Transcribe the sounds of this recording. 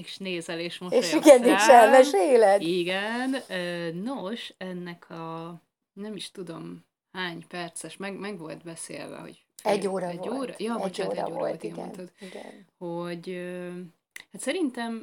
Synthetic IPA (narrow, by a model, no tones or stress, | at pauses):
eʃneːzɛleːʃmoeːʃiɡɛnit͡ʃɛmɛʃeːlɛd̪iɡɛnøːnoʃɛnːɛkʰɒ | nɛmiʃt̪ud̪o̞m | haːɲpɛrt̪sɛʃmɛɡmɛɡʋo̞lt̪bɛsḛːlvɛ̰ho̞̰ɟ | ɛɟːoːɾɒvoːoːɾjɒːɛɟːoːɾɒ̰vo̞̰lt̪iɡɛ̰nod̪iɡɛ̰nhoɟø | hat̪sɛɾint̪ɛm